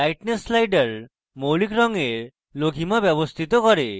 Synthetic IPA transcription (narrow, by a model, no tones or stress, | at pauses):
ajʈneslajɖəɾ | mowlikɾɔŋeɾ | loɡʱimabjɔbɔst̪ʰit̪ɔkɔɾe